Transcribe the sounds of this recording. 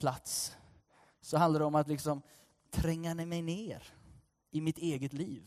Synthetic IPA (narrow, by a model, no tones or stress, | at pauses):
pʰlat̪s | sɔɦand̪aɖ̪ɛɔmat̪lɪksɔm | t̪ʰɾɛŋːanɛmɛjneːɾ | ɪmɪt̪eːɡət̪liːv